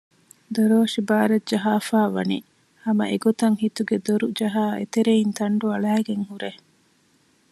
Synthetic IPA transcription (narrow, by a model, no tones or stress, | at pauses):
d̪oɾoːʃibaːɾɐd͡ʒɐɦaːfaːʋɐ̰nḭ | hɐmɐ̰ʔeɡot̪ɐŋhit̪uɡed̪oɾud͡ʒɐɦaːḛt̪eɾeint̪ɐɳɖuɐɭæːɡeŋhuɾe